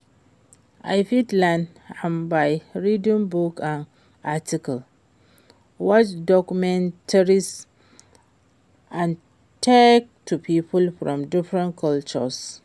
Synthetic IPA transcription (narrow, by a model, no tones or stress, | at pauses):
ʔa̰jfitlãn | ãmbajɹidĩmbukãn | atʰikal | wɔt͡ʃdɔkumɛ̃ntʰaɹis | ãn | tʰek̚tʰːupʰiːpʰulfɹɔ̰̃mdɪfɹɛ̃nkʰɔlt͡ʃɔ̰s